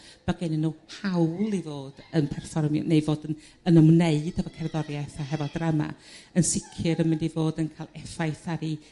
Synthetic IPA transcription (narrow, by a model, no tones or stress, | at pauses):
b̥aɡɛnɪnuːhʰawlˠivoːd̥ənpʰɛrfɔrmjɔ̰nejvoːdən | ənəmneɨd̥əvɔkʰɛrðɔrjajθaɦɛvɔdrama̰ənsɪkʰɨɾəmɪndivoːdənkʰaːlˠɛfajθaɾi